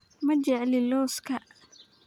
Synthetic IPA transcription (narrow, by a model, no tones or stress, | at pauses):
mɐd͡ʒɛʕlɪlɔːskʰɐ